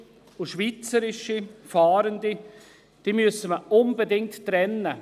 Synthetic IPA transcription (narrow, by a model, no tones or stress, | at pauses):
ʊʃviːt͡səɾɪʃifaːɾəndi | d̥iːmysəməʔʊnbedɪŋtːɾɛnːə